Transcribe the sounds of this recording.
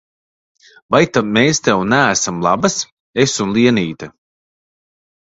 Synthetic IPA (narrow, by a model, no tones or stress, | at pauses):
vajt̪ameːst̪ɛwnæːsamlˠa̰bas | esunlˠiɛniːt̪a